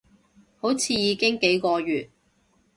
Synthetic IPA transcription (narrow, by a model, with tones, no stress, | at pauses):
ho˨˥wt͡sʰiː˧jiː˨˧kɪ˥ŋke˨˥jkɔː˧ɥyː˨t̚